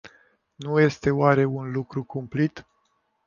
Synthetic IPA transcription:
nuje̞st̪e̞oaɾe̞unlukɾukumplit̪

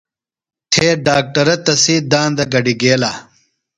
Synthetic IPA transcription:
t̪ʰeːɖaːk̚ʈɐɾɐt̪ɐsiːd̪aːnd̪ɐɡɐɖiɡeːlaː

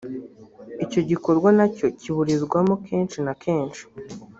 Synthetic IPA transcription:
ico̞ɟiko̞ɾɡwanaco̞ciβuɾizɡwamokʰe̞ːnʃinakʰe̞ːnʃi̥

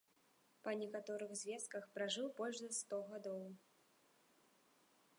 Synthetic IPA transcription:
pɐnʲɛkat̪ɔɾɨɣzʲvʲɛst̪̚kɐxpɾaʐɨwbɔlʲʐzɐst̪ɔɣad̪ɔw

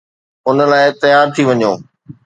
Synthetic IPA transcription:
ʊnə̆laːɪt̪ɐjaːɾt̪ʰiʋɐɲoː

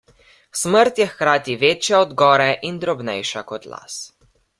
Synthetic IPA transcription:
sməɾt̪jɛxkɾaːt̪iʋeːt͡ʃjaɔd̪ɡɔːɾɛʔind̪ɾɔbnɛ̰jʃakɔt̪la̰s

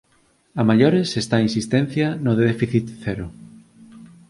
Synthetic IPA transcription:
amaʎoɾesest̪aĩnsist̪ẽn̟θjanoðefiθit̪θeɾo

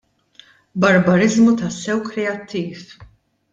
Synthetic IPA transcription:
bɐɾbɐɾɪzmut̪ɐsːɛwkɾɛɐt̪ʰːiːf

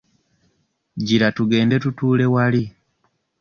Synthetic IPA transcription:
ɟiɾatuɡe̞ːnde̞tutuːle̞wali

